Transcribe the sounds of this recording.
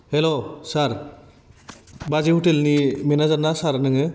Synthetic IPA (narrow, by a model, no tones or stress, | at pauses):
helosaɾ | bazihutelnimenazanasaɾnɯŋɯ